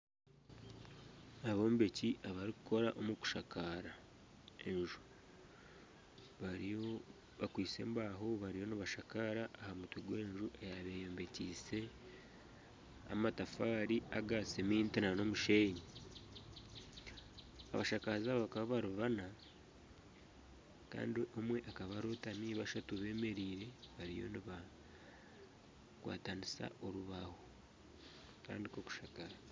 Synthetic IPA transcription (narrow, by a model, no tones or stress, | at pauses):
aβomube̞ciʔaβaɾiku̥kʰo̞ɾaʔomuku̥ʃakʰaɾa | e̞nʒu̥ | βaɾ | βakwiːse̞̰mbaːɦoβaɾijo̞nuβaʃakaɾaʔːhamutuɡwe̞ːnʒuʔejaβe̞joːmbe̞ciːse̞ | a̰matafaːɾiaɡat͡semiːntinano̞muʃeɲi | a̰βaʃakazaβakaβaβaɾuβana | ka̰ːndiʔo̞mwe̞ʔakaβaɾotaniːβaʃatuβe̞ːme̞ɾiːɾe̞βaɾijo̞̰niβa | kwa̰ːtanisa̰ʔo̞ɾuβaho | ka̰ːndiko̞ku̥ʃakaza